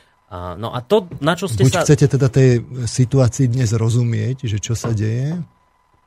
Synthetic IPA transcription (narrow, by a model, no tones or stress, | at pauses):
nɔ̰ʔa̰t̪ɔnat͡ʃɔsbɛucxt͡sɛcɛt̪ɛd̪at̪ɛjsit̪uaːt͡siːd̪ɲɛzɾɔzumɪɛɟʒɛt͡ʃɔsaɟɛjɛ